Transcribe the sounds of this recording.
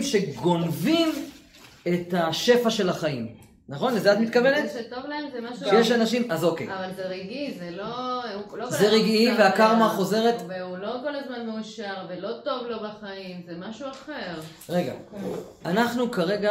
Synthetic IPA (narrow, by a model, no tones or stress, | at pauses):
mʃe̞ɡo̞nvim | et̪aʃe̞faʃe̞laχaim | naχo̞nlezeat̪mit̪̚kavenetetovlaemzemaʃuʃjjeʃanaʃimazo̞kejavalzeʁiɡizeloulozeʁiɡiveakaʁmaχo̞ze̞ʁe̞t̪veulo̞ko̞lazmanmeuʃaʁvelo̞t̪o̞vlo̞baχaimzemaʃuaχeʁ | ʁe̞ɡa̰ | anaχnukaʁe̞ɡa